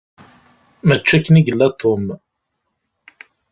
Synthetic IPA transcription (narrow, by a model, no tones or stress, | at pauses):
mət͡ʃːækːəniɡəlːæt̪ʰːʊm